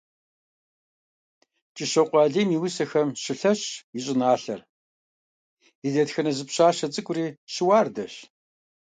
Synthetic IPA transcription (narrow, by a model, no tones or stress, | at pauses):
t͡ʃʼɪɕɐqʷʼɑːɮiːmiːwʊsɐxɐmɕɪɬɐɕjɪɕʼɪnaːɬɐr | idɐtxɐnɐzɨpɕaːɕɐt͡sʼɨkʷʼʊriːɕɪwaːrdɐɕ